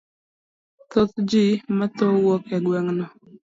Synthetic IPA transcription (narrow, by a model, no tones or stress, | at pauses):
t̪ot̪d͡ʒimat̪owɔkɛɡwɛŋnɔ